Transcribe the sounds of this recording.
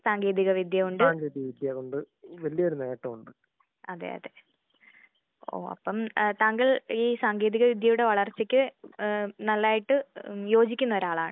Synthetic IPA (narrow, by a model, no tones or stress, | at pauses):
saːŋɡeːðiɣɐʋid̪ʱjɐɣoɳɖɨaːŋɡeːðiɐʋid̪jɐɣoɳɖɨ | ʋɐlijɐoɾuneeːʈːɐmuɳɖɨ | ɐd̪ːḛːjɐ̰ðe̞ | o̰ːɐ̰pːɐmt̪aːŋɡɐɭiːsaːŋɡeːðiɣɐʋid̪ʱjɐjuɽe̞ʋɐɭɐrt͡ɕːikʲːɨ | nɐlːaːjiʈːɨjo̞ːd͡ʑikʲːunːɐoɾaːɭaːɳɨ